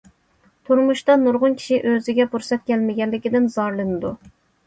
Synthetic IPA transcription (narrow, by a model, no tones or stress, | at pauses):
t̪ʰuɾmuʃt̪ɑnuɾʁʊnkʲʰi̥ʃiʔøzɪɡʲɛbuɾsɛt̪̚kʲɛlmɪɡʲɛnlːɪkʲid̪ɪnzɑɾlˠɨnɨd̪u